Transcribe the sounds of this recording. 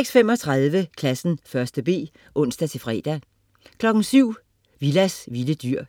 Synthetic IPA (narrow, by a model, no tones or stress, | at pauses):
eɡ̥sfemɒ̽t͡sʰʁɑðˠʋəkʰlæsn̩fɶɐsd̥əb̥e̝̰ː | ʔɔ̽n̰sd̥æt͡sʰe̝fʁɛ̰ːd̥æ | kʰlɒ̽ɡ̥n̩syʊ̰ | ʋilæsʋiləd̥yɐ̰